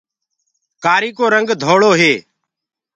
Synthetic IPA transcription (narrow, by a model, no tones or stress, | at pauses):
kaːɾiːkoːɾəŋɡd̪ʱoːɭoːɦeː